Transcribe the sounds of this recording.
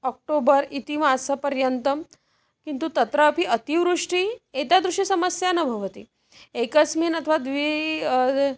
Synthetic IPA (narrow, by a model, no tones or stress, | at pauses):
ɔk̚ʈobəɾit̪imaːsɐpɐɾjənt̪əm | kint̪ut̪ɐt̪ɾəːpiʔɐt̪iʋɾuʂʈiet̪jad̪ɾuʂisɐməsjanɐbʱɐʋət̪ḭ | ekəsmenɐt̪ʰəʋad̪ʋi